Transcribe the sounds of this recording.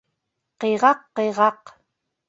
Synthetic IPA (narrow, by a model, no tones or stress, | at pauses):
qeʁɑqːeʁɑq